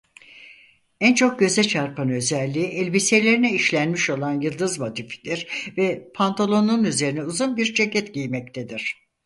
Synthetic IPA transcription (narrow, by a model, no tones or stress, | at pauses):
ænt͡ʃʰo̞k̚ɟø̞zɛt͡ʃʰaɾpanø̞zælʲːiːʔɛlʲbise̞lʲe̞ɾinɛiʃlʲænmiʃo̞lˠanjɯlˠd̪ɯzmad̪ifi̥d̪iɾ̥vɛpʰant̪ʰalˠo̞nunyze̞ɾinɛuzunbiɾd͡ʒʰecʰɛt̪ɟijmɛct̪ʰed̪iɾ̥